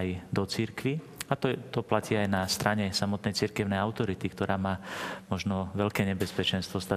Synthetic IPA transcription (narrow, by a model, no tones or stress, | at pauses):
ajd̪ɔt͡siɾkʋiat̪ɔt̪ɔplaciajnast̪ɾaɲɛsamɔt̪nɛjt͡siɾkɛʊnɛjaʊt̪ɔɾit̪ikt̪ɔɾaːmaːmɔʒnɔʋɛʎkɛːɲɛbɛspɛt͡ʃɛnst̪ʋɔst̪a